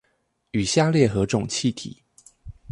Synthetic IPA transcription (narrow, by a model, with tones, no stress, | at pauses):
y˨˩ɕja˥˧ljɛ˥˩xɤ˧˥ʈ͡ʂʊ˨˩ŋt͡ɕʰi˥˧t̪ʰḭ˨˩˦